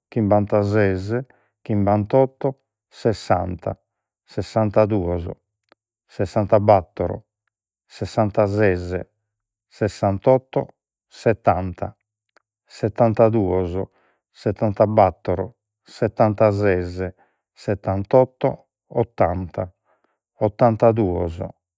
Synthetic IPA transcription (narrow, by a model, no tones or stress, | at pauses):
k̟imbant̪azɛzɛ | k̟imbant̪ɔt̪ːɔ | sɛsːant̪a̰ | sɛsːant̪ad̪uːɔzɔ̰ | sɛsːant̪abat̪ːɔɾɔ̰ | sɛsːant̪azɛzɛ̰ | sɛsːant̪ɔt̪ːɔ̰ | sɛt̪ːant̪a | sɛt̪ːant̪ad̪uɔzɔ | sɛt̪ːant̪abat̪ːɔɾɔ | sɛt̪ːant̪azɛzɛ | sɛt̪ːant̪ɔt̪ːɔ̰ | ɔt̪ːant̪a | ɔt̪ːant̪ad̪uɔzɔ̰